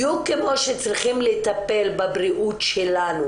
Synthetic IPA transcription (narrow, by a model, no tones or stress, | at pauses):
jukːemo̞ʃet͡sʁiχimlet̪ape̞lbabʁiʔutʃelanu